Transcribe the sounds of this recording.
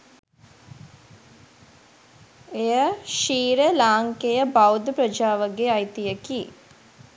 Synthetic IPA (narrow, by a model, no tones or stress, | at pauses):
ejəʃiːɾəlaːŋkejəbɐwd̪ʱpɾəd͡ʒaːʋəɡeajt̪ijəki